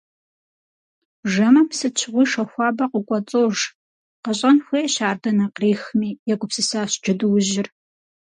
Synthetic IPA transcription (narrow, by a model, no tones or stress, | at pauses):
ʒɐmɐmsɨt͡ʃʰɨʁʷiːʂɐxʷɑːbɐqʷʊkʷʼɔt͡sʼoːʒ | qəɕʼɐnxʷijɛɕaːrdɐnɐqreːxmiːjɛɡʷʼʊpsɨsaːɕd͡ʒɪdɨwʊʑɪr